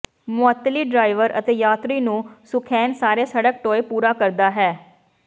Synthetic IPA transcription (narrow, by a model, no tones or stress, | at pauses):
mʊət̪ːliːɖɾaːɪʋəɾə̰t̪eːjaːt̪ɾiːnũːsʊkʰɛːnsaːɾeːsəɽək̚ʈoːepuːɾaːkəɾd̪aːɦɛː